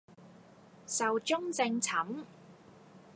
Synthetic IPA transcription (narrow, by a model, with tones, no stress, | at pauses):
sɐ˨wt͡ʃʊ˥ŋt͡sɪ˧ŋt͡sʰɐ˨˥m